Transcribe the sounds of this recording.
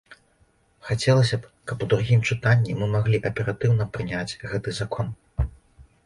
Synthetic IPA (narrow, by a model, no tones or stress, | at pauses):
xat͡sʲɛlˠɐsʲɐpkɐpud̪ɾuɣʲimt͡ʂɨt̪anʲːimɨmaɣlʲiʔɐpʲɛɾat̪ɨwnɐpɾɨnʲad͡zʲɣɛt̪ɨzakʰɔn